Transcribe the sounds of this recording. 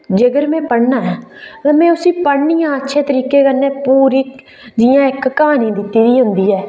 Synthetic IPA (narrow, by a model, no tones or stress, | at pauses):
d͡ʒeɡəɾmɛ̃ːpəɽnaːɛːãːmɛ̃ːʊsĩːpəɽɳijãːətːʃʰeːt̪əɾiːkeːkənːẽːpuːɾiː | d͡ʒijãːɪkːəɦaːniːd̪ɪt̪ːiːd̪iːɦʊnd̪iːɛː